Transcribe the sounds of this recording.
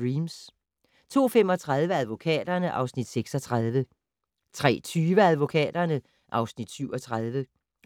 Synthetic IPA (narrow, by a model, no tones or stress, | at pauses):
iːms | t͡sʰo̝̰ːfem̰ɒ̽t͡sʰʁað̞ˠʋəæðˠʋo̝kʰɛ̰ːd̥ɐnəʔɑ̈ʊsnid̥seɡ̥sɒ̽t͡sʰʁað̞ˠʋə | t͡sʰʁɛ̰ːt͡sʰyːʋəæðˠʋo̝kʰɛ̰ːd̥ɐnə | ʔɑ̈ʊsnid̥syʊ̰ɒ̽t͡sʰʁað̞ˠʋə